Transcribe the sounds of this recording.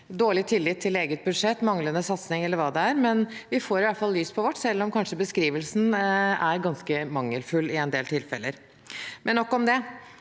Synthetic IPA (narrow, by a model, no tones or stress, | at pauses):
d̪oːɭɪt̪ʰɪlːɪt̪ʰːɪleːɡət̪̚bʉd̪ʂɛt̪ːmɑŋlənəsɑt̪snɪŋɛlːəɾʋɑːd̪ɛæɾmɛnʋɪfoːɾɪʋæfɑlːyːspʰɔʋɔʈːsɛlːɔmkʰɑnʂəbəskɾiːʋəlsn̩æɾɡɑnskəmɑŋːəlfʉlːɪɛnd̪eːlt̪ʰɪlfɛlːəɾ | mʔɛnːɔkːɔmd̪ɛ